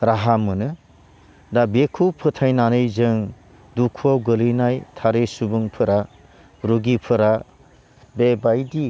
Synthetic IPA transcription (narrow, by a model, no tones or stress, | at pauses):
ɾaɦamɯnɯ | dabekʰupʰɯtʰajnanɯjzɯŋ | dukʰuawɡɯlɯnajtʰaɾesubuŋpʰɯɾa | ɾuɡipʰɯɾa | bebajdi